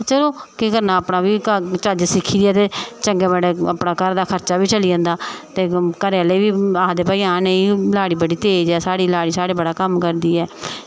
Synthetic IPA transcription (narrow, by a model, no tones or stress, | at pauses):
t͡ʃəloːkɪkəɾnaːəpnaːbiːkət͡ʃad͡ʒsɪkʰːiːd̪iːɛːt̪eːt͡ʃəŋɡeːbəɽeːəpnaːkəɾd̪aːkʰəɾt͡ʃaːbiːt͡ʃəliə̃ːnd̪aːt̪eːkəɾeːəleːʋiːaːd̪eːpaːiːãːneĩlaːɽiːbəɽiːt̪eːd͡ʒɛːsaːɽiːlaːɽiːsaːɽeːbəɽaːkəmkəɾd̪iːɛː